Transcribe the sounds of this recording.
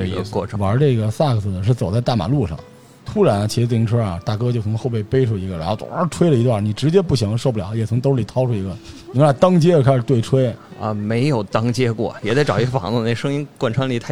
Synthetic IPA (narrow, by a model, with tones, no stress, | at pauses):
ə̰˧kwɔ̰˥˧˩ʈ͡ʂʰwə˞˧˥ʈ͡ʂe˥˩ɡə˩sa˥˩ɡə˧˩sɹ̩˥˩d̪ə˩ʂ̬ɻ̩˥˩t͡so˨˩ʊt͡sa˥˧ɪt̪a˥˩ma̰˨˩lu˥˧ʂɑ̰˥˩ŋ | t̪ʰu˥ɻa˧˥n˧t͡ɕʰi˧˥ʂɻ̩˧t͡si˥ʈ͡ʂʰwə˥a̰˨˩t̪a˥˩kɤ˥t͡ɕjo˥˩sʰŋ˥xo˧pe˥˩ɪpe˥ɪʈ͡ʂʰu˥˩i˧˥ɡə˧˨la˧˥˩t̪w̰ʈ͡ʂʰwe˥ɪlə˨i˧˥t̪wa˥˩ni˨˩ʈ͡ʂɻ̩˧˥t͡ɕjɛ˥pu˥˩ɕɑ˧˥ŋə˧ʂo˥˧ʊpu˥˩jɑ˨˩˦jɛ˨˩ʊ˧˥ŋt̪o˥˧ʂli˨˩t̪ʰɑ˥ʊʈ͡ʂʰu˥˩i˧˥ɡə˧n˨˩˥a˥˩t̪ɑ˥ŋt͡ɕjɛ˥ə˨kʰɪʂɻ̩˨˩t̪we˥˩ɪʈ͡ʂʰwe˥ɪə̰˧˩me˧˥ɪjo˨˩ʊt̪ɑ˥ŋt͡ɕjɛ˥kwɔ̰˥˩jɛ˨˩t͡sa˥˩ʈ͡ʂɑ˨˩i˧˥ɡə˧fɑ̰˨˧˥ŋə˧ne˥˩ʂɤ˥ŋi˥nkwa˥˩nʈ͡ʂʰwa˥nli˨˩t̪ʰa˥˩